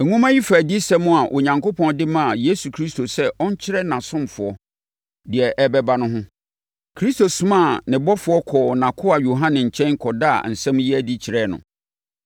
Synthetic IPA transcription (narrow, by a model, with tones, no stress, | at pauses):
ɛ˨ŋũ˦mã˦ji˦fæ˨di˦sɛ˦mʊ̃˦a˨ʔo˨ɲã˨ŋko˦pʰɔ̃˦ndɪ˦mã˦˨je˦su˨kʰɾi˦sto˨sɛ˦ʔɔ˦ɲ̩˦t͡ɕʰɪ˦ɾɛ˦nã˨sʊ̃˦mfʊ˨ɔ˦ | dɪ˨ɛ˨ʔɛ˦bɛ˦ba˦nʊ̃˦ɦʊ̃˦ | kʰɾi˦sto˨sʊ̃˦mã˦˨nɪ̃˨bɔ˦fʊ˨˦ɔ˦kʰɔː˨nã˨kʰʊ˦a˨jo˨ɦã˦nɪ̃˨ɲ̩˨t͡ɕʰɛ̃˦kʰɔ˨da̰˦˨n̩˨sɛ̃˦mji˦ɛ˦di˦t͡ɕʰɪ˨ɾɛː˦˨nʊ̰̃˨